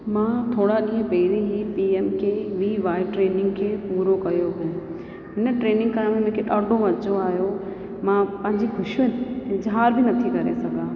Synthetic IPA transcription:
mãːt̪ʰoːɽaɗĩːɦə̃pɐɪɾiɦipiːeːmkʰeːʋiːʋaːɪʈɾeːnɪ̃ŋɡkʰeːpuːɾokɐjoɦũː | ɦɪnə̆ʈɾeːnɪ̃ŋɡ̚kaɾmẽmẽːkʰeɗaːɖʱoʋɐt͡ɕoaːɦjo | mãpɐ̃ɦɪ̃ɲd͡ʑiɡʱʊʃʋezaːɾbɪnɐt̪ʰikɐɾesɐɡʱãː

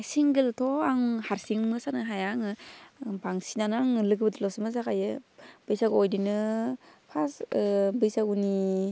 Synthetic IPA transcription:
jsiŋɡiltʰɔaŋhaɾsiŋmɯsanɯɦajaŋɯbaŋsinanɯaŋlɯɡɯbɯdlɔsɯmɯzaɡajɯb̥ɯjsaɡoɔjdinɯpʰasbɯjsaɡuni

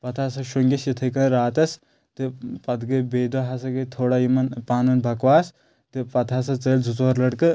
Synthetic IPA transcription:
pɐt̪ʰasɐʃoŋɡʲɐsjit̪ʰɐkɐnɾaːt̪ɐs | t̪ɨpɐt̪ɡɐbeːd̪oɦɐsɐɡɨt̪ʰoːɽajimɐnpaːnɐnbʱɐkwaːs | t̪ɨpɐt̪ʰaːsɐt͡sɐːld͡zʱut͡sʋɐɾlɐɽkɨ

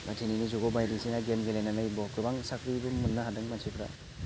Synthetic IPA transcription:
matʰininizuɡɔbajɾisinaɡemɡelenanajbɔkɾɯbaŋsakʰɾibumːunːaɦadɯŋmansukʰɾa̰

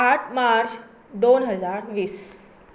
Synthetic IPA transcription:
aʈʰmaɾt͡ɕ | d̪onɦəd͡zaɾʋiːs

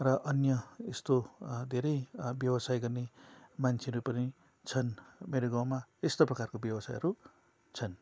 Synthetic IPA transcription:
rʌʔʌnjʌest̪od̪ʱeɾʌjbjʌwʌsajɡʌrnemant͡sʰeʌɾupʌni | t͡sʰʌnmeɾoɡãw̃maest̪oprʌkarkobjʌbʌsajɦʌɾu | t͡sʰʌn

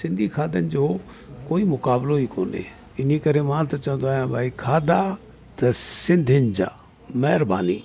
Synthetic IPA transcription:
sɪ̃nd̪ʱikʰaːd̪ənɪd͡ʒoː | koːimʊkaːbloiːkoːnḛː | ɪnikɐɾemãːt̪ɐt͡ʃɐ̃ə̃nd̪oaːɦjãbʱaːikʰaːd̪aː | t̪ɐsɪ̃nd̪ʱɪnd͡ʑa̰ː | mɛɦɾba̰ːnḭː

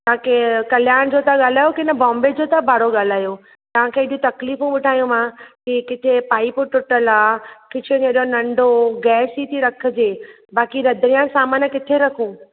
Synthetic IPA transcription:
t̪ãkekɐl̤jaːɽ̃d͡ʑot̪aɠaːl̤aːjokɪnə̆bɔ̃ːmbed͡ʑoːt̪abaːɽoɠaːl̤aːjo | t̪ɐʋ̤ãkʰeɪɗijũt̪ɐkliːfũɓɪʈaːjũmãkikɪt̪ʰepaːɪipʊʈʊʈəlaːkɪt͡ɕʰed͡ʑeɗjõnɐ̃ɳɖʱoɡɛːsit̪ʰiɾɐkʰə̆d͡ʑeː | baːkiɾɐd̪ʱɾijãsaːmaːnəkɪt̪ʰeɾɐkʰũː

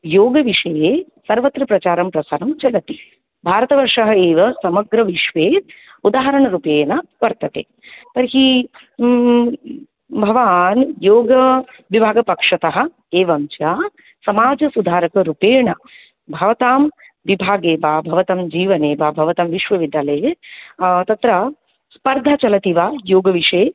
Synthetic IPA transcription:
joːɡɐʋiʂɐjeː | sɐɾʋɐt̪ɾɐpɾɐt͡ʃaːɾɐmpɾɐsaːɾɐmt͡ʃɐlɐt̪i̥ | bʱaːɾɐt̪ɐʋɐɾʂɐɦɐeːʋɐsɐmɐɡɾɐʋiʃʋeːt̪ | ud̪aːɦɐɾɐɳɐɾupeːnɐʋɐɾt̪ɐt̪ḛː | p̪ɐɾɦi | bʱɐʋaːnjoːɡɐ | ʋibʱaːɡɐpɐkʂɐt̪ɐɦɐ̆ | eːʋɐmt͡ʃaː | sɐmaːd͡ʒɐsud̪ʱaːɾɐkɐɾupeːɳɐ | bʱɐʋɐt̪aːm | ʋibʱaːɡeːbaːbʱɐʋɐt̪ɐmd͡ʒiːʋɐneːʋaːbʱɐʋɐt̪ɐmʋiʃʋɐʋid̪ʱaleː | t̪ɐt̪ɾɐ | spɐɾd̪ʱat͡ʃɐlɐt̪iʋaːjoːɡɐʋiʂeː

